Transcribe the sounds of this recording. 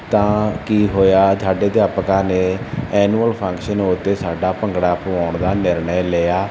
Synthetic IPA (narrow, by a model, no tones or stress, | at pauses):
t̪ãːkiːɦoːjaːd͡ʒ̪aːɖeːd̪jaːpkãːneːɛːnuːəlpʰə̃ŋkʃənoʊt̪ːeːsaːɖaːpəŋɡɽaːpʊaːɳd̪aːnɪɾɳəjleaː